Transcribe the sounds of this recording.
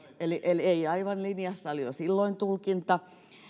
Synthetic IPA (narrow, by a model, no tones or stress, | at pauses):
eliʔeleiɑiʋɑnlinjɑsːɑolijo̰silːoint̪ulkint̪ɑ